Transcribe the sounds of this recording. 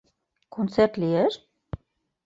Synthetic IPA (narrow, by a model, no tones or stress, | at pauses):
kont͡sert̪lieʃ